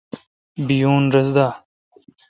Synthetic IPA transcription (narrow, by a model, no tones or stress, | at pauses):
bijuːnɾɐzd̪aː